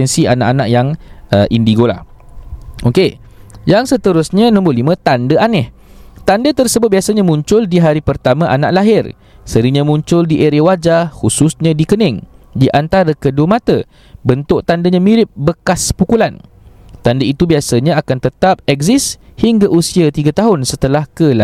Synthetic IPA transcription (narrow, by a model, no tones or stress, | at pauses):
ɛnsianaʔanaʔjaŋəʔindiɡola̰ | ʔoke | jaŋsət̪əɾʊsɲə̃nɔ̃mbʊlimə̃t̪andəʔanɪht̪andət̪ərsəbʊt̪̚biasaɲãmũɲt͡ʃʊldiɦaɾipərt̪amãʔana̰ʔlaɦɪr | səɾiɲə̃mũɲt͡ʃʊldiʔeɾiwad͡ʒahususɲə̃dikənɛ̃ŋdiʔant̪aɾəkəduəmãt̪ə | bənt̪ʊʔt̪andəɲãmiɾɪp̚bəkaspukulan | t̪andəit̪ubiasaɲãakant̪ət̪ap̚ɛkzɪshiŋɡaʔusiat̪iɡat̪aɦʊnsət̪əlahkəla